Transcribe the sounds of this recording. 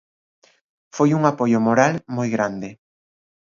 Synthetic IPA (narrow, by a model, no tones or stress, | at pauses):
fojuŋapojʊmoɾalmojɣɾand̪ɪ